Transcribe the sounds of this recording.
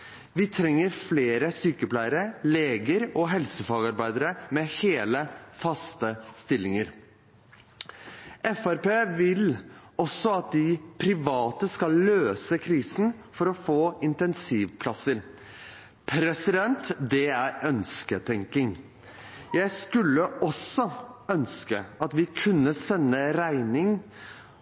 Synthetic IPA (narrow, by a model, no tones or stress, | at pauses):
ʋɪt̪ʰɾɛŋːəɾfleːɾəsyːkəplæɪəɾəleːɡəɾɔɦɛlsəfɑːɡɑɾbæɪd̪əɾəmɛheːləfɑst̪əst̪ɪlːɪŋəɾ | ʔɛfæɾpeːʋɪlɔsɔɑt̪̚d̪ɪpʰɾɪʋɑːt̪əskɑlːøːsəkʰɾiːsn̩fɔɾɔfoːɪnt̪ɛnsiːʋpʰlɑsəɾ | pʰɾɛsɪd̪ɛnt̪d̪ɛæɾœnskət̪ʰɛŋkɪŋ | jæɪskʉlːəʔɔsɔœnskəɑt̪ʋɪkʰʉnːəsɛnːəɾæɪnɪŋ